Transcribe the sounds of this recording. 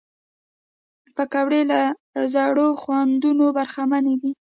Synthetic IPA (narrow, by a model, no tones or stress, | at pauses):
pakawɽelazaɽoxwand̪unobaɾxamaned̪i